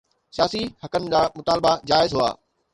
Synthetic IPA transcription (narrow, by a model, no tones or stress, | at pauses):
sijaːsihɐkənɪ̆d͡ʑaːmʊt̪aːlbad͡ʑaːɪzɦʊa̰ː